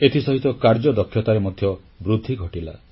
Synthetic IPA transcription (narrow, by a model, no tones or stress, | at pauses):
et̪ʰisɔɦit̪ɔkaɾd͡ʒɔd̪ɔkʰːjɔt̪aɾemɔd̪ʱjɔ | bɾud̪ʱːiɡʱɔʈila̰